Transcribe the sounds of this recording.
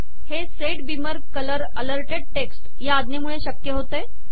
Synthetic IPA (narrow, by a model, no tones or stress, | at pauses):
heseʈbiməɾkələɾələɾʈeɖ̚ʈeksʈ | jaad̪nemuɭeɕəkjəɦot̪e